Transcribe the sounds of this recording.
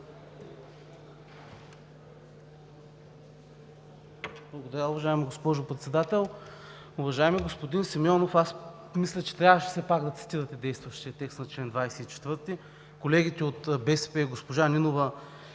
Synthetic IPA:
blˠɐɡod̪ɐɾʲaʊvɐʒaɛmiɡospɔʒopɾɛt̪sɛd̪at̪ɛlˠ | ʊvɐʒaɛmiɡospod̪insimjɔnofas | mislʲɛt͡ʃɛ̥t̪ɾʲavəʃɛ̥sɛpaɡd̪ɐt̪si̥t̪iɾɐt̪ɛd̪ɛjst̪vɐʃt̪iɐt̪ɛkst̪nɐt͡ʃlɛnd̪vajsɛit͡ʃɛ̥t̪vɤɾt̪i | kolɛɡʲit̪ɛot̪bɛsɛpɛiɡospoʒaninovɐ

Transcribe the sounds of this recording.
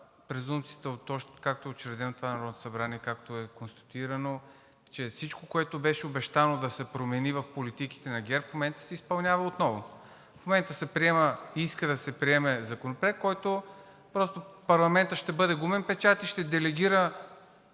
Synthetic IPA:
pɾɛzumpt̪sijət̪əot̪ɔʃkak̚t̪oɛot͡ʃɛɾɛd̪ɛnot̪ovanɐɾɔd̪not̪o̥sɐbɾaniɛkakt̪oɛkonst̪ɐ̥t̪iɾɐno | t͡ʃɛfsit͡ʃkokoɛt̪obɛʃɛobɛʃt̪anod̪ɐsɛpɾomɛnivɐfpolit̪iki̥t̪ɛnɐɡʲɛɾpfmomɛnt̪ə̥sɛispɐlˠnʲavəot̪nɔvo | fmomɛnt̪əsɛpɾiɛməiskəd̪ɐsɛpɾiɛmɛzɐkonopɾɛk̪̚kɔjt̪o | pɾɔst̪opɐɾlˠɐmɛnt̪əʃt̪ɛbɤd̪ɛɡumɛnpɛt͡ʃat̪iʃt̪ɛd̪ɛlɛɡ̟ʲiɾə

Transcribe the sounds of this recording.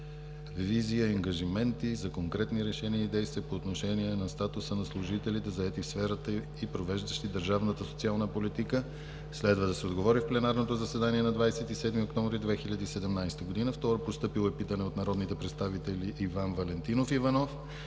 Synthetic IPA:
viziəiɐŋɡɐʒimɛnt̪izɐkoŋkɾɛt̪niɾɛʃɛniəid̪ɛjst̪viəpoːt̪noʃɛniɛnɐst̪at̪usənɐslˠuʒit̪ɛlʲit̪ɛzɐɛt̪ifsfɛɾət̪ə | ipɾovɛʒd̪əʃt̪id̪əɾʒavnət̪əsot̪sialˠnəpolit̪ikə | slɛd̪vəd̪ɐsɛod̪ɡovɔɾifplɛnaɾnot̪ozɐsɛd̪aniɛnɐd̪vajsɛt̪isɛd̪miokt̪ɔɱvɾid̪vɛxiʎʲɐd̪iːsɛd̪ɛmnajst̪əɡod̪inəft̪ɔɾəpost̪ɤpilˠɛpit̪ənɛot̪nɐɾɔd̪nit̪ɛpɾɛt̪st̪avit̪ɛlʲiʔːvanvɐlɛnt̪inofivɐnɔf

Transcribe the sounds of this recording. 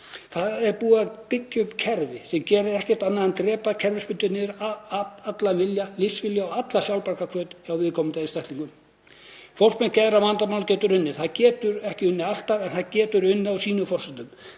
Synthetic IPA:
θaðɛɾpuːaðpɪcːʏmcʰɛɾvɪsɛmcɛːɾɪɾɛhcɛ̥t̪anːaðɛnt̪ɾɛːpacʰɛɾvɪspʏnt̪ʏnɪʏɾ | at̪lavɪljalisvɪljaɔat̪lasjawlpaɾkakʰvœːt̪awvɪðkʰɔmʏt̪ejðɪst̪ɛht̪liŋkʏm | fɔr̥mɛncɛðɾamant̪amawlacɛːt̪ʏɾʏnːɪθaðcɛːt̪ʏɾɛhcɪʏnːɪal̥t̪aɾɛnθaðcɛːt̪ʏɾʏnːɪawsiːnʏfɔr̥sɛnt̪ʏm

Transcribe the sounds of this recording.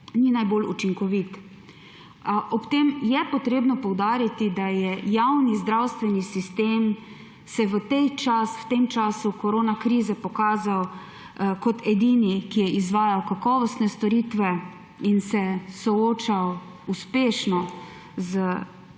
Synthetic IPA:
ninajbolṵt͡ʃiŋkɔʋit̪ | ʔɔpt̪emjɛpɔt̪ɾeːbnɔpɔwd̪aːɾit̪id̪ajɛjawnizd̪ɾawst̪ʋɛnisist̪eːm | sɛʋət̪ɛjt͡ʃaswt̪emt͡ʃaːsukɔɾoːnakɾiːzɛpɔkaːzaw | kɔt̪ʰɛd̪iːnikijɛʔizʋaːjawkakɔːʋɔst̪nɛst̪ɔɾiːt̪ʋɛ | insɛsɔoːt͡ʃaw | uspeːʃnɔ | zə

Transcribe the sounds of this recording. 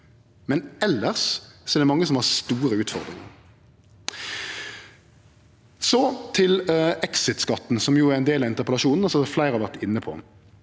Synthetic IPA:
mɛnɛlːəʁssɔɛɾd̪ɛmɑŋːəsɔmhɑʁst̪uːɾəʉːt̪fɔʁd̪ʁɪŋə̰ʁ | sɔt̪ʰɪlɛksɪt̪skɑt̪ːn̩sɔmjuːæɾʁɛnd̪eːlɑɪnt̪əʁpəlɑʃuːnn̩ɔsɔflæɪʁhɑʋæʁt̪ɪnːəpʰɔ̰

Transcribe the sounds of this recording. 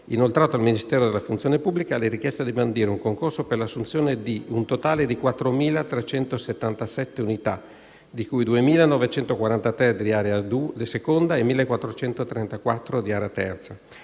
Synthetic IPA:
inolt̪ɾaːt̪oalminist̪ɛːɾod̪elːafunt̪sijoːnepubːlikaleɾikjɛst̪ad̪imand̪iːɾeuŋkoŋkorsoperlasːunt̪sjoːned̪iunt̪ot̪aːled̪ikwat̪ːɾomiːlat̪ɾet͡ʃɛnt̪oset̪ːant̪asɛt̪ːeunit̪a | d̪ikujd̪uemiːlanɔvet͡ʃɛnt̪okwaɾant̪at̪ɾɛd̪iaːɾead̪ud̪sekond̪aemilːekwat̪ːɾot͡ʃɛnt̪ot̪ɾɛnt̪akwat̪ːɾod̪iaːɾeat̪ɛrt̪sa

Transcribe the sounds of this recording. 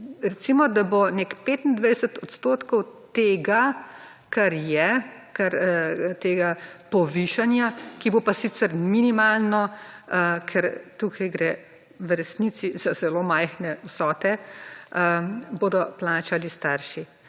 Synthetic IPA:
ɾɛt̪simɔd̪abonekpeːt̪nd̪ʋajsət̪ɔt̪st̪oːt̪kɔwt̪eːɡa | kaɾjɛ | kaɾt̪eːɡapɔʋiːʃanjakibopasiːt̪sɛɾminimaːlnɔ | kʰɛɾt̪ukʰajɡɾɛ | wɾɛsniːsiz̥azɛloːmajxnɛwsɔːt̪ɛ | boːd̪ɔplaːt͡ʃalist̪aɾʃi

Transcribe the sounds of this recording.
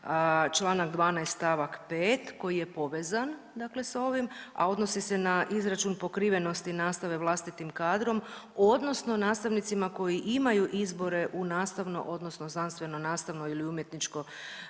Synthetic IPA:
t͡ʃlˠaːnaɡd̪ʋaːnajst̪aʋakpeːt̪ko̞jijepo̞ʋe̞ːzan | d̪akle̞so̞ʋima̰o̞d̪no̞sise̞naʔizɾat͡ʃunpo̞kɾiːʋe̞no̞st̪inaːst̪aʋe̞ʋlˠast̪it̪imkaːd̪ɾo̞mo̞d̪no̞snonaːst̪aʋnit̪simako̞jiʔimajuʔizbo̞ɾeʔunaːst̪aʋno̞̰ʔo̞d̪no̞snoznanst̪ʋe̞no̞naːst̪aʋno̞iliumje̞t̪nit͡ʃko̞

